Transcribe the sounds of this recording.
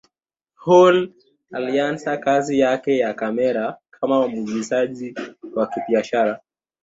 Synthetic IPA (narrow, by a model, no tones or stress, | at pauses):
hɔl | aliansakazijakɛjakamɛɾakʰamawamuɡizaʄiwakiɓiaʃaɾa